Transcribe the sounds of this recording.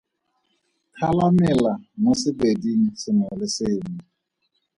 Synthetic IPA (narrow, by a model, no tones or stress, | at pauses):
kʰalamɪlamosɪbedin̩sɪnɔlɪsɪmi